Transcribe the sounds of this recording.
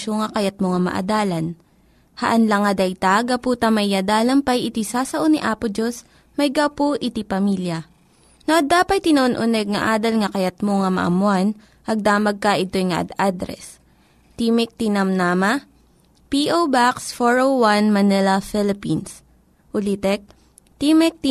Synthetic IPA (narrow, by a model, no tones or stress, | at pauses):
oŋɐkɐjat̪̚moŋɐmɐ̰ʔɐ̰d̪aːlɐn | hɐʔɐnlɐŋɐd̪ɐjt̪aɡɐpuːt̪ɐmɐjɐd̪aːlɐmpɐjɪt̪isaːsɐʔoniʔaːpʊd͡ʒos | mɐjɡawpoʔɪt̪ipɐmiljɐ | noʔɐd̪aːpɐjt̪ɪnɐʔonʔʊnɛɡ̚ŋɐ̰ʔaːd̪ɐlŋɐkɐjɐt̪̚moŋɐmɐ̰ʔɐ̰mʊan | ʔɐɡ̚d̪aːmɐɡ̚kɐʔɪt̪o̞jŋɐʔɐ̰d̪ad̪ɾɛ̰s | t̪imɛk̚t̪inamnaːmɐ | piʔowbaksfoɹowwanmɐnɛlɐfɪlɪpins | ʔʊlit̪ɛk̚ | t̪imɛk̚t̪